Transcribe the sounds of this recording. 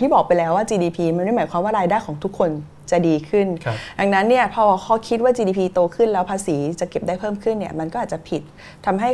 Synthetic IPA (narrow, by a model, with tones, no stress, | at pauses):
t̪ʰi˥˩bɔː˨˩k̚pa˧jlɛː˦˥waː˥˩t͡ɕiː˧diː˧pʰiː˧ma˧nm˥˩jmaː˩˦jkʰwaː˧mwaː˥˩ɾaː˧jdaː˥˩jkɔː˩˦ŋt̪ʰu˦˥kʰːo˧n | t͡ɕa˨˩diː˧kʰɯ˥˩nda˧ŋna˦˥nːi˥˩ɐpʰɔ˧˥˧kʰɔː˥˩kʰi˦˥t̪̚waː˥˩t͡ɕiː˧diː˧pʰiː˧t̪oː˧kʰɯ˥˩nlɛː˦˥wpʰaː˧siː˩˦t͡ɕa˨˩ke˨˩p̚daː˥˩pʰɤː˥˩mkʰɯ˥˩nːi˥˩ɐma˧nkɔː˥ʔaː˨˩t̚t͡ɕa˨˩pʰi˨˩t̪̚ʰː | a˧mɦa˥˩j